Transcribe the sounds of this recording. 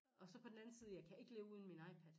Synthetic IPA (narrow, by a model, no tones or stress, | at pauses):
ɒ̽sɒ̽pʰɒ̽d̥enæn̩siːð̞ˠjɑ̈ɪkʰæe̝ɡ̥əle̝ːʊuðˠn̩minɑ̈ɪpʰæd̥